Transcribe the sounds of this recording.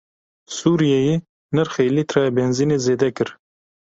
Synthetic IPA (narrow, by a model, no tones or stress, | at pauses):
suːɾijɛjeː | nɨɾxelit̪ɾɑɛbɛnziːneːzeːd̪ɛkɨɾ